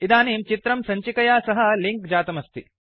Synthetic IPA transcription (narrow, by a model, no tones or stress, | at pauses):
id̪aːneːmt͡ʃit̪ɾɐmsɐɲt͡ʃikɐjaːsɐɦɐliŋkd͡ʒaːt̪ɐmɐst̪ʰi